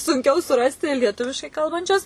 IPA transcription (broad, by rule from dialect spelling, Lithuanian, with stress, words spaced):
sʊŋʲˈkʲɛʊ sʊˈrɑːsʲtʲɪ lʲiɛˈtʊʋʲɪʃkɐɪ ˈkɐlˠbɐnʲt͡ʃʲʊs